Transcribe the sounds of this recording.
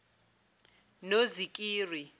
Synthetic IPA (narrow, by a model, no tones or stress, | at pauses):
nozikʼiːri